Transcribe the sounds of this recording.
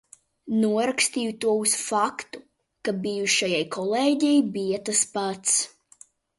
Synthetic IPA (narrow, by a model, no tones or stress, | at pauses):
nuɔɾakst̪iːjut̪uɔusfakt̪u | kabijuʃajajkʰɔlˠeːɟɛjbijat̪aspat̪s